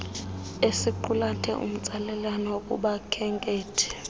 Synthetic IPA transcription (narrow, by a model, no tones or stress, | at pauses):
esiǃulatʰɛ̰ʔṵm̩t͡sʼalɛlanɔokʼṵɓakʰɛŋkʼeːtʰɛ̥